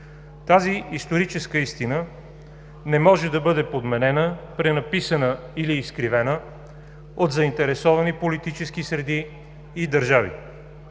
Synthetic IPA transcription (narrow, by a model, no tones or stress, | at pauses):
t̪aziist̪oɾit͡ʃɛskəist̪inə | nɛmɔʒɛd̪ɐbɤd̪ɛpod̪mɛnɛnəpɾɛnɐpisənəiliːskɾivɛnə | od̪zɐint̪ɛɾɛsɔvɐnipolit̪it͡ʃɛskisɾɛd̪iː | d̪ɐɾʒavḭ